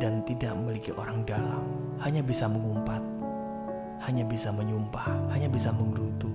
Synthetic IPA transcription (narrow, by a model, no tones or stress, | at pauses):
dant̪idaʔəmilikiʔoɾaŋdala̰m | haɲabisaməŋumpat̪̚ | haɲabisaməɲumpahhaɲabisaməŋɡɾut̪u